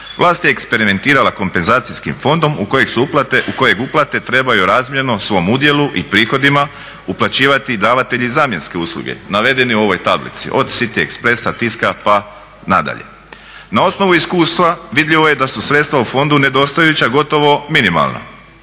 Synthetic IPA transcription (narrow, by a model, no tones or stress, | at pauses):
ʋlˠaːst̪je̞ːkspe̞ɾime̞nt̪iːɾalˠako̞mpe̞nzaːt̪sijskḭmfo̞nd̪o̞muojeɡsupat̪uko̞je̞ɡuplˠat̪e̞t̪ɾe̞bajuɾaːzmje̞nosʋo̞mud̪je̞luʔipɾiːxo̞d̪ima | uplˠat͡ɕiːʋat̪id̪aːʋat̪e̞ʎizaːmje̞nske̞uːslˠṵɡḛnaʋe̞d̪e̞niuo̞ʋo̞jt̪ablḭt̪sḭʔo̞d̪sit̪iḛkspɾe̞sat̪iskapa | na̰d̪a̰ʎe̞̰ | nao̞sno̞ʋuiskuːst̪ʋaʋid̪ʎiʋo̞jed̪asusɾet̪st̪ʋaufo̞nd̪une̞d̪o̞st̪ajjut͡ɕaɡo̞t̪o̞ʋo̞minima̰lˠna̰